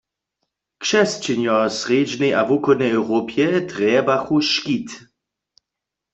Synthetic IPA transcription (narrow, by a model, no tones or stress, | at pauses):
kʃɛst͡ʃɛnjɔsʁeːd͡ʒnɛjʔavukɔd̪nɛɛwʁopjɛt̪ʁɛbaxuʃkit̪